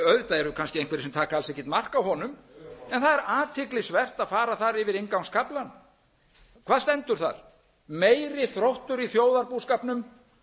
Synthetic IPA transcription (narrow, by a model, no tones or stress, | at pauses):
œðt̪aɛɾʏkʰanscɪẽjŋkvɛɾɪsɛmt̪ʰaːkaalsɛhcːɪt̪mar̥kawɦɔnʏmɛnθaðɛɾaːt̪ʰɪklɪsvɛr̥t̪aðfaːɾaθaɾɪvɪɾeŋkawnskʰaplan | kʰvaːðst̪ɛnt̪ʏɾ̥θa̰ɾ̥ | meːjɾɪθɾowht̪ʏɾiθjoːwðaɾpuskapnʏm